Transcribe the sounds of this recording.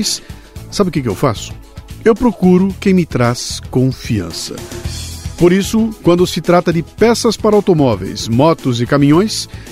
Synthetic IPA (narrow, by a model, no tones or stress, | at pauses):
js | sabɪʊkɪkɪewfa̰sʊ̥ | ewpɾokuɾʊkẽj̃mɪt̪ɾaskõfiɐ̰̃sɐ̰ | poɾisʊkwɐ̃nd̪ʊsɪt̪ɾat̪ɐd͡ʒɪpɛsɐspaɾɐawt̪omɔvḛjsmɔt̪ʊzɪkamĩɲõj̃s